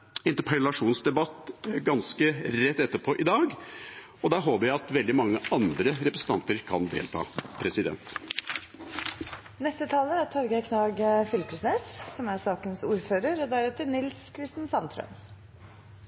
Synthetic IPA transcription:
ɪnt̪əɾpʰəlɑʂuːnsd̪ɛbɑt̪ːɡɑnskəɾɛt̪ːɛt̪ːəpʰɔʔɪd̪ɑːɡ | ɔd̪æɦoːpəɾjæɪɑt̪ʋɛld̪ɪmɑŋːəɑnd̪ɾəɾɛpɾəsn̩t̪ɑnt̪əɾkʰɑnd̪ḛːlt̪ʰɑ̰ːpʰɾɛsɪd̪ɛ̰nt̪ | nɛst̪ət̪ʰɑːləæt̪ʰɔɾɡəkʰnɑːɡfʏlkəsmeːssɔmæɾsɑːkənsuːɾføːɾəɾɔd̪æɾʉːt̪ənɪlskʰɾɪst̪ənsɑnt̪ʰɾœ̰m

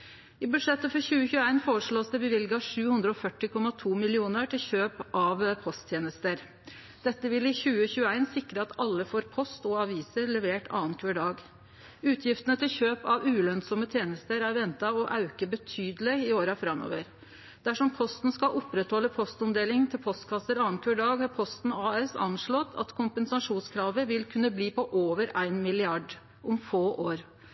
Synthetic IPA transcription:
ɪbʉd̪ʂɛt̪ːəfɔɾçʉːəçʉːæɪnfoːɾəʂɭoːsd̪ɛɪbəʋɪlɡəɑʂʉːhʉnd̪ɾəɔfœʈːɪkʰɔmɑt̪ʰuːmɪlɪuːnəɾʈʰɪlçøːpʔɑʋpʰɔst̪ʰjeːnəst̪əɾ | d̪̥ɛt̪ːəʋɪlɪçʉːəçʉːəæɪnsɪkɾəɑt̪ɑlːəfoːɾpʰɔst̪ɔɑʋiːsəɾlɛʋeːʈʰɑ̰ːənkʰəːɖɑːɡ | ʉːt̪ʰjɪft̪ənət̪ʰɪlçøːpɑʋʉːlœnsɔmət̪ʰjeːnəst̪əɾæɾʋɛnt̪ɑɔʔɑʉkəbət̪ʰyːd̪əlɪɪoːɾɑfɾɑmːo̰ːʋəɾ | d̪̥æʂɔmpʰɔst̪n̩skɑʔɔpɾɛt̪hɔlːəpʰɔst̪ɔmd̪eːlɪŋt̪ʰɪlpʰɔst̪kʰɑsəɾɑːnkʰøɖɑːɡhɑɾpʰɔst̪n̩ɑːɛsɑ̰nʂɭɔt̪ʰɑ̰t̪kʰʊmpənsɑʂuːnskʰɾɑːʋəʋɪlkʰʉnːəbliːpɔʔoːʋəɾæɪnmɪlɪɑɖ | ʔʊmfoːʔoːɾ

